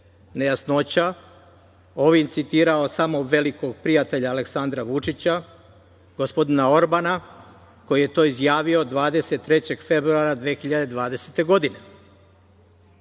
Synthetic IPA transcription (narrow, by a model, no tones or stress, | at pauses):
ne̞jasno̞t͡ɕa | o̞ʋint̪sit̪iːɾao̞samo̞ʋe̞liko̞ɡ̚pɾijat̪e̞ʎaːleksand̪ɾaʋut͡ʂit͡ɕa | ɡ̥ospo̞d̪inao̞ɾbana | ko̞jije̞t̪o̞ːizjaːʋiod̪ʋaːd̪e̞se̞t̪ːɾe̞t͡ɕe̞ɡfe̞bɾuaɾad̪ʋeːxiʎad̪e̞d̪ʋaːd̪e̞set̪e̞ɡo̞d̪ine̞